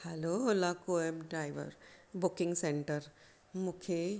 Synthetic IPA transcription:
hɛlolakoemɖɾajʋə̰ɾbʊkɪŋɡseɳʈəɾ | mʊkʰe

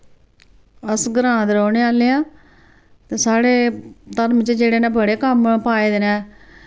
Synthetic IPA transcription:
əsɡəɾãːd̪eɾoːneːaːleːãː | t̪eːsaːɽeːt̪əɾmt͡ʃed͡ʒeːɽeːnãːbəɽeːkəmpaːeːd̪eːnɛː

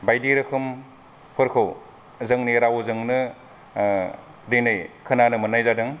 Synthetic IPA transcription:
bajdiɾɯkʰɯm | pʰɯɾkʰɯw | zɯŋniɾawzɯŋnɯ | denɯjkʰɯnanɯmɯnajzadɯŋ

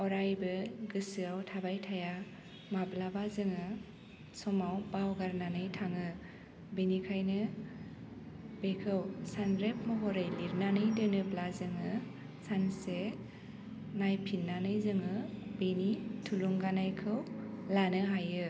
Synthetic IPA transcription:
ɔɾajbɯɡɯsɯawtʰabajtʰaja | mablabazɯŋɯ | sɔmawbawɡaɾnanɯjtʰaŋɯ | benikʰajnɯ | bekʰɯwsanɾep̚mɯɦɔɾajliɾnanɯjdɯnɯblazɯŋɯ | sanse | najpʰinːanɯjzɯŋɯbenitʰuluŋɡanajkʰɯwlanɯɦajɯ

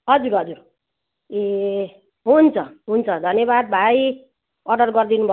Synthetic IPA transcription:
ɦʌd͡zuɾɦʌd͡zuɾ | e | ɦunt͡sʰʌɦunt͡sʰʌd̪ʱʌnjʌbad̪̚bʱaj | ʌrɖʌrɡʌrd̪inubʱʌ

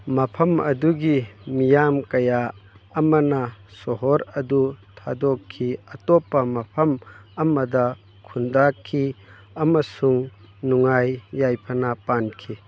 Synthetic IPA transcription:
mɐpʰɐmɐd̪uɡimijamkɐjaːmɐnɐsɔɦɔɾɐd̪ut̪ʰad̪ɔkʰːiɐt̪ɔpːɐmɐpʰɐmɐmɐdɐ | kʰundakʰːi | ɐmɐsuŋ | nuŋajːajpʰɐnapankʰi

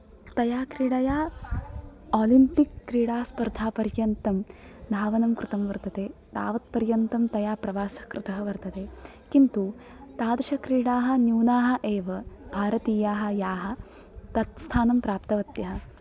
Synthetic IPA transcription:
t̪ɐjaːkɾiɽɐjaː | aːlimpikːɾiːɽaːspɐɾd̪ʱaːpɐɾjɐnt̪ɐmd̪ʱaːʋɐnɐmkɾɪt̪ɐmʋɐɾt̪ɐt̪eːd̪a̰ːʋɐt̪̚pɐɾjɐnt̪ɐmt̪ɐjaːpɾɐʋaːsɐ̥kɾɪt̪ɐɦɐʋɐɾt̪ɐt̪eː | kint̪u | t̪aːd̪ʃɐkɾiːɽaːɦɐ̆njuːnaːɦɐ̆ʔeːʋɐbʱaːɾɐt̪iːjaːɦɐ̆jaːɦɐ̆ | t̪ɐt̪st̪ʰaːnɐmpɾaːpt̪ɐʋɐt̪jɐɦɐ̆

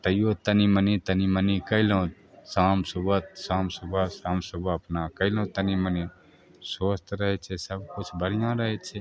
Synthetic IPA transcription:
t̪əjjot̪ənimənit̪ənimənikəɪlõ | saːmsubət̪sãːmsubəsãːmsuboɐpnakəɪlõt̪əniməni | soːst̪ɾəɦɛt͡ʃʰesəbkʊt͡ʃʰbəɽijãɾəɦɛt͡ʃʰe

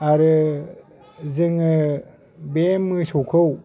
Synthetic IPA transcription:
aɾɯ | zɯŋɯ | bemɯsɔkʰɯw

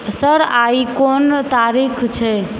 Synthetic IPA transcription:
səɾaikont̪aɾikʰt͡ʃʰɛ

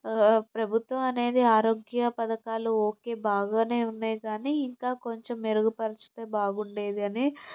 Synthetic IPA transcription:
pɾɐbʱut̪ʋɐmɐne̞ːd̪iaːɾo̞ːɡjɐpɐd̪ɐkaːluoːke̞ːbaːɡaːne̞ːunːaːjɡaːniiŋkaːko̞ɲt͡ʃe̞meɾuɡupɐɾɐt͡ʃu̥t̪eːbaːɡuɳɖe̞ːd̪iɐni

